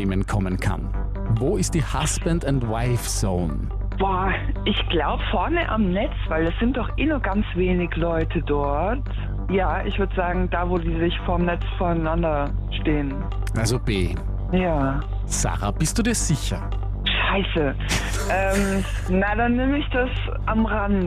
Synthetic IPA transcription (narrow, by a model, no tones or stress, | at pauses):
mənkʰɔmənkʰa̰n | voːɪst̚d̥iːha̰sb̥ɛndʊntwaɪfz̥o̰ːn | b̥ɔːʔɪçɡ̥laʊbəfɔɐnəʔa̰mnɛt͡sv̥aɪldasz̥ɪnt̚d̥ɔχʔɪːnʊɐɡ̥ant͡sv̥eːnɪɡəlɔʏtʰədɔɐɐt | jaːʔɪçv̥ʏɐdəzaːɡŋ̩d̥aːvoːdiːzɪçfoːɐmnɛt͡sfoːɐanandɐʃteːən | ʔalzob̥ḛː | jaː | z̥a̰ːʁa̰b̥ɪstd̥uːdiːɐz̥ɪçɐ̰ | ʃaɪsə | ʔɛːm | nadanːɪməɪçd̥as | ʔamʁand